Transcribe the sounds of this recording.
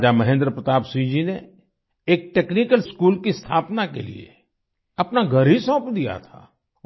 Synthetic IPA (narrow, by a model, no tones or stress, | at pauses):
d͡ʒamɐɦẽːnd̪ɾəpɾət̪aːbsid͡ʒine | eːk̚ʈeːknikəlskuːlkist̪ʰaːpnakḛlḭḛ | ɐpnaɡʱɐɾɦisɔ̃ːpd̪ija̰t̪ʰa̰ː